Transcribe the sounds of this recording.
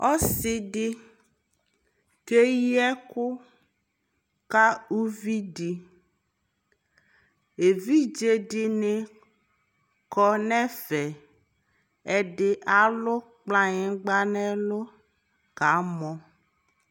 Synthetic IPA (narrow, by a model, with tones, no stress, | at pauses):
ɔ˦si˨ɖi˦ | ke˦ji˦ɛ˦kʊ˦ | ka˦u˦vi˦ɖi˨ | e˨vi˦d͡ʒe˦ɖi˨ne˨ | kɔ˦nɛ̃˦fɛ˨ | ɛ˨ɖɪ˨ʔa˨lo˦k͡plã˦ɲe˨ɡ͡ba˦nɛ̃˦lo˦ | ka˨˦mɔ̃˨